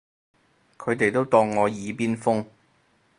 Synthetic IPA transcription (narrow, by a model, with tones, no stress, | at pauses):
kʰɵ˨˧ɥt̪e˨jt̪o˥wt̪ɔː˧ŋːɔː˨˧jiː˨˧piː˥nfʊ˥ŋ